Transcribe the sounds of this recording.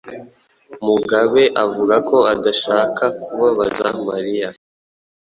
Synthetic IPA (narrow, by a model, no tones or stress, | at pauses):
muɡaβe̞ʔavuɾako̞adaʃaːkakuβaβazamaɾija